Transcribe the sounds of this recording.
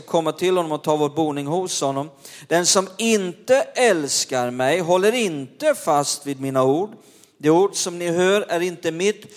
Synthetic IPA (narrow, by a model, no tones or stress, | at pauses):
kʰɔmːat̪ʰɪlhɔnːɔmɔt̪ʰɑːvoːɾbuːnɪŋɦʊshɔnːɔmd̪̥ɛnsɔmɪnt̪əʔɛlskaɾmɛjɦɔlːəɾɪnt̪əfast̪viːd̪miːnauːɖ | d̪ɛuːɖsɔmnɪɦøːɾæɾɪnt̪əmɪt̪ː